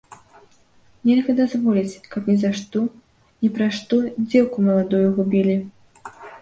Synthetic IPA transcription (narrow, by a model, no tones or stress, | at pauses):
nʲɛlʲɣɐd̪azvɔlʲit͡sʲkɐpnʲizaʂt̪ɔ | nʲipɾaʂt̪ɔd͡zʲɛwkumɐlˠad̪ɔjuɣubʲilʲi